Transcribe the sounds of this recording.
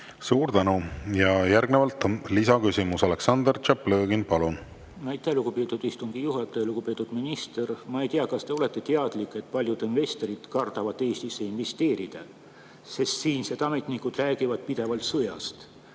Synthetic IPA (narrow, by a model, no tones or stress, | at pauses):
suːɾt̪ænujɑjærɡ̥nevɑlt̪lisɑkysimusɑleksɑnd̪ert͡ʃɑpløːɡinpɑlun | nɑjt̪ːˑeluɡ̥upe̞ːt̪ːˑud̪̥ist̪uŋɡ̥ijuɦɑt̪ːˑeluɡ̥upe̞ːt̪ːˑud̪̥minist̪ermɑe̞jt̪iɑkɑst̪e̞o̞le̞t̪ːˑe̞t̪eɑd̪̥likːˑe̞t̪̚ːpɑlʲjud̪̥inve̞st̪o̞ɾid̪̥kɑrd̪̥ɑvɑd̪ːˑe̞ːst̪isːe̞inve̞st̪e̞ːɾid̪̥ɑ | sest̪siːnsed̪ɑmet̪nikud̪̥ræːɡ̥ivɑd̪̥̚pid̪̥e̞vɑlt̪sɤjɑ̰st̪